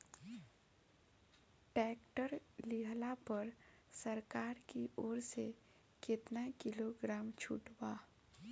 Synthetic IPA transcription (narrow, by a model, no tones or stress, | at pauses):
ʈɛːkʈəɾliɦlapəɾ | səɾkaːɾkioːɾse | kɪt̪nakɪloɡɾaːmt͡ʃʰṵʈba